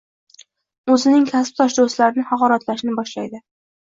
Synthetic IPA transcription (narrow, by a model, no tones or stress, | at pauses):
ɵzɪnɪŋkʲʰasp̚t̪ʰɒʃd̪ost̪laɾɪnɪhɑqɒɾat̪laʃnɪbɒʃlajd̪ɪ